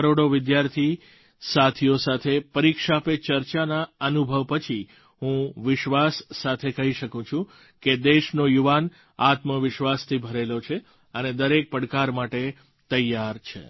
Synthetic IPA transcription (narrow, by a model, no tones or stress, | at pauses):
əɾoɽoʋɪd̪jaɾt̪ʰi | sat̪ʰijosat̪ʰepəɾikʃapet͡ʃəɾt͡ʃanaənubʱəʋpət͡ʃʰi | ɦũʋɪʃʋasːat̪ʰekəɦiʃəkũt͡ʃʰũ | ked̪eʃnojuʋan | at̪məʋɪʃʋast̪ʰibʱəɾelot͡ʃʰe | əned̪əɾek̚pəɽkaɾmaʈe | t̪əjːaɾt͡ʃʰḛ